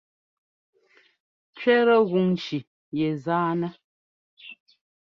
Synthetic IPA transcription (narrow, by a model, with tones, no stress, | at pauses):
t͡ʃɥɛ˦ɾə˦ɣu˨ŋn˦t͡ʃi˨ | je˨zaː˦nə˦